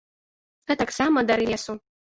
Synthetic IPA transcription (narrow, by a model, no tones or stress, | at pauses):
ɛt̪aksamɐd̪aɾɨjʲɛsu